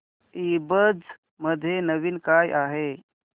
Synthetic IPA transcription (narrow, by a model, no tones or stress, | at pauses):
ibəd͡z | məd̪ʱːjenəʋiːnkajʔaɦe